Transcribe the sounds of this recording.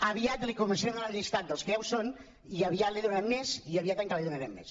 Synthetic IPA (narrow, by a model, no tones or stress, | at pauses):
aβiat̪likoməsenalaʎist̪at̪̚d̪əlˠskɛwson | iaβiat̪liðunamːeziaβiat̪əŋkəliðunaɾɛmːḛs